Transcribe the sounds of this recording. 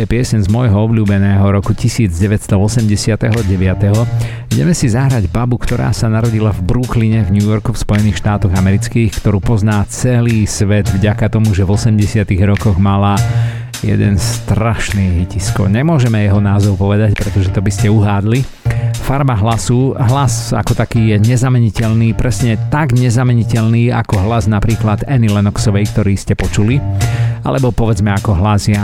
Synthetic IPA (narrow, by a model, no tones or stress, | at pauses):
ɛpɪɛsɲɛnzmɔjɦɔɔbʎuːbɛnɛːɦɔɾɔkucisiːd͡zɟɛʋɛtst̪ɔɔsɛmɟɛsɪat̪ɛɦɔɟɛʋɪat̪ɛɦɔ | iɟɛ̰mɛsizaɦɾaɟbabukt̪ɔɾa̰ːsanaɾɔɟilavbɾukliɲɛvɲuːjɔɾkufspɔjɛniːxʃt̪aːt̪ɔɣamɛɾit͡skiːxkt̪ɔɾuːpɔznaːt͡sɛliːsʋɛd̪vɟakat̪ɔmuʒɛvɔsɛmɟɛsɪat̪iɣɾɔkɔɣmala | jɛ̰d̪ɛ̰nst̪ɾaʃniːɦiciskɔ̰ɲɛmʊɔʒɛmɛjɛɦɔnaːzɔʊpɔʋɛd̪acpɾɛt̪ɔʒɛt̪ɔbiscɛuɦaːd̪li | faɾmaɦlasuɦlasa̰kɔt̪akiːjɛɲɛzamɛɲicɛʎniːpɾɛsɲɛt̪aɡɲɛzamɛɲicɛʎniːa̰kɔɦlaznapɾiːklad̪ɛnilɛnɔksɔʋɛjkt̪ɔɾiːscɛpɔt͡ʃulia̰lɛbɔpɔʋɛd͡zmɛakɔɦlazɪa